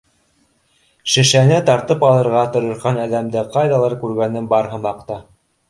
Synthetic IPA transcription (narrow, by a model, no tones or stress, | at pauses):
ʃɘ̆ʃænɘt̪ɑɾt̪ɤpɑlˠɤ̆ɾʁɑt̪ŏɾɤ̆ɾʁɑnæðæmd̪ɘqɑjðɑlˠɑɾkʉɾɡænɘnbɑɾɦɤ̆mɑqt̪ɑ